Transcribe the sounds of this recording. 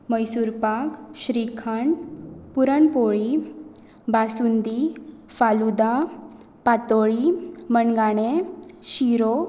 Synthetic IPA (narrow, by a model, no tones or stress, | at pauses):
məjsuɾpakɕɾikʰaɳpuɾəɳpoɭi | basund̪i | falud̪a | pat̪oɭimənɡaɽ̃eɕiɾo